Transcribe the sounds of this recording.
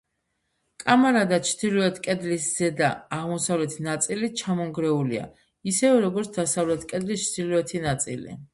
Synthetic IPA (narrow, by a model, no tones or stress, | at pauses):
kʼamaɾad̪at͡ʃʰd̪ilɔɛt̪ʰkʼɛd̪lisz̥ɛd̪aːʁmɔsavlɛt̪ʰinat̪sʼilit͡ʃʰamɔŋɡɾɛulḭa̰ | isɛvɛɾɔɡɔɾt̪ʰd̪asavlɛt̪ʰkʼɛd̪list͡ʃʰd̪̥ilɔɛt̪ʰinat̪sʼḭlḭ